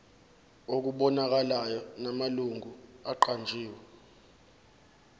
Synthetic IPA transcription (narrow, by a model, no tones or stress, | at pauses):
ok̬uɓɔnak̬alajɔnamaluŋɡʱuaǃand͡ʒʱiːwɛ